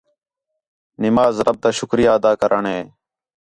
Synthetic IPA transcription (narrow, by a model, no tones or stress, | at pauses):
nɪmaːzɾəb̚t̪aːʃʊkɾɪjaːəd̪aːkəɾʔəɳɦeː